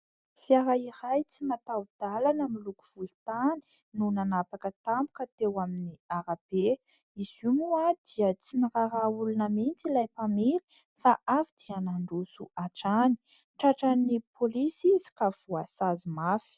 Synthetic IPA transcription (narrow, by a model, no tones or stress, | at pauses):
fiaɾaiɾajt͡simat̪awd̪̥alanəmiluku̥v̥ult̪ani̥ | nunanapakət̪ambu̥kat̪ewaminiaɾabe | izimuad̪̥iət͡siniɾaɾaulunəmint͡silajpamili̥ | faʔafid̪̥ianaɳɖ͡ʐusuʔaʈ͡ʂani̥ | ʈ͡ʂaʈ͡ʂanipolisizi̥kav̥uasazimafi̥